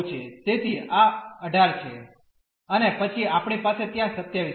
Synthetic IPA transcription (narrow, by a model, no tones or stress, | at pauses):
t͡ʃʰet̪et̪ʰiaəɖʱaɾt͡ʃʰe | ənepət͡ʃʰiapɳ̃ipaset̪jãsət̪jaʋi